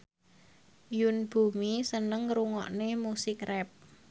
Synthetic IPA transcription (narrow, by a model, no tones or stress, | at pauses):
junb̥ṳmisənəŋɾuŋɔ̰ʔnemusɪkrɛp̚